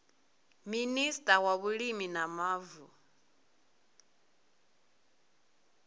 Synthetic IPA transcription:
ministʼawaβuɺiminamaːvu

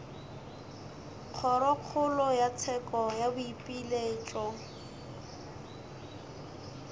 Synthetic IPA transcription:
q͡χʰɔɾɔq͡χʰʊlɔjat͡sʰɛkʼɔjabʊipʼileːt͡ʃʼɔ

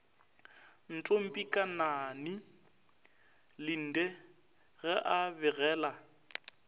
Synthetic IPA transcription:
n̩tʼom̩pʼikʼananɪ | lɪn̩ːdɛ | ɣɛʔabɪɣɛːla

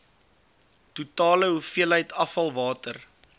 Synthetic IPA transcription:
tutɑːləɦufiəlɦəjtɐfɐlˠvɑːtər

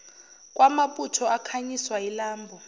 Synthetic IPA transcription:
k̬ʼwʔamaputʰɔʔakʰaɲiswajilaːmbʱɔ

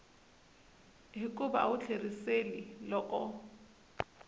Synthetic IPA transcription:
ɦɪkʼʊba̰a̰ʊt͡ɬʰeriselilɔʔʼɔ

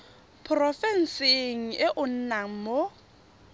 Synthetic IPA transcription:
pʰrɔfɛn̩sɪŋ̩ɪʔʊn̩naŋ̩mo

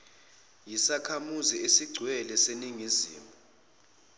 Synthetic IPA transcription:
jisakʰamuziesiɡ͡ǀʱwɛlɛseniŋizḭːma

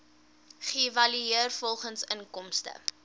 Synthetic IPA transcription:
χivɐlyiərfɔlˠχənsənkɔmstə̰

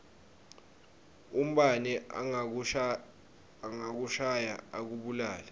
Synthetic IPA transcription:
um̩ɓanɛ | ŋak̬uʃajaak̬uɓulaːla

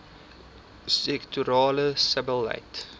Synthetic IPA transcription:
sɛktʰuɾɑːləsəbəlːa̰ɪt

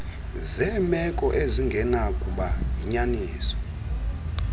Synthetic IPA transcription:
zɛːmɛkʼɔʔeziŋɡʱɛnakʼuɓaɦiɲaniːsɔ̥

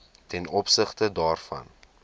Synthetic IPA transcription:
tɛnɔpsəχtədɑːrfɐ̰n

